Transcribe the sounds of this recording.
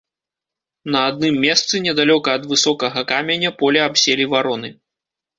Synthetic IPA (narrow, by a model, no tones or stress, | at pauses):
nɐad̪̚nɨmːʲɛst̪sɨnʲɛd̪alʲɔkɐːd̪vɨsɔkɐɣɐkamʲenʲɐpɔlʲɛabsʲelʲivaɾɔnɨ